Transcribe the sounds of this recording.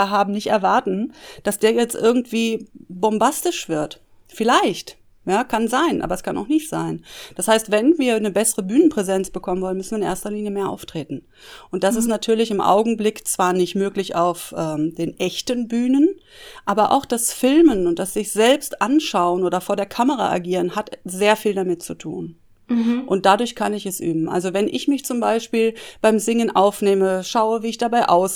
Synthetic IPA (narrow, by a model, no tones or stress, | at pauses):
ɦaːbm̩nɪçtɛɐvaɐtn̩d̥asd̥eːɐjɛt͡stʔɪɐɡŋ̩tv̥iːbɔmbastɪʃv̥ɪɐt | fɪlaɪçt | jaːkʰanzaɪnʔa̰ːbɐɛskʰana̰ʊxnɪçtz̥a̰ɪnd̥ashaɪstv̥ɛnviːɐnəbɛsəʁəbyːnənpʁ̥ɛzɛnt͡sb̥əkʰɔmənvɔlənmʏsn̩viːɪnḛːɐstɐliːnjəmeːɐʔa̰ʊftʁ̥eːtn̩ | ʔʊnt̚d̥as̬ɪstnatʰyːɐlɪçɪmʔa̰ʊɡŋ̩blɪkt͡sv̥aːɐnɪçtmøːklɪçaʊfʔɛːmd̥eːnʔɛçtənbyːnənʔaːbɐʔa̰ʊxd̥asfɪlmənʊnt̚d̥asz̥ɪçz̥ɛlpstʔanʃaʊənʔoːdɐfoːɐdeːɐkʰaməʁ̞a̰ʔa̰ɡiːʁ̞ənhatz̥eːɐfiːldamɪtt͡sutʰṵːn | ʔʊnt̚d̥adʊɐçkʰanɪçɛsʔy̰ːbm̩ʔa̰lzovɛnʔɪ̰çmɪçt͡sʊmbaɪʃpiːlb̥aɪmzɪŋənʔaʊfneːməʃaʊəviːɪçd̥abaɪʔaʊs